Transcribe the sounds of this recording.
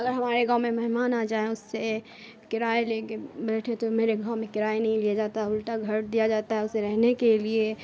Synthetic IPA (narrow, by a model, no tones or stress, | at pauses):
ɐɡəɾɦɐmaːɾeɡãːʊmẽmɐɦmaːnaːd͡ʒaːeʊsːe | kɪɾaːelekebɐlʈʰẽt̪omeːɾeɡaːwmẽkɪɾaːenɐɦĩlijad͡ʒaːt̪aɦɛʊlʈaɡʱɐɾd̪ijad͡ʒaːt̪aɦɛʊseɾɛɦnekelie